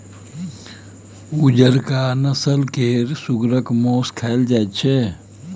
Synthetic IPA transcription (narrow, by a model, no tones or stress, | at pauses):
ud͡ʒəɾkanəsəlkeɾsuɡɾəkmoːskʰɛld͡ʒatt͡ʃʰe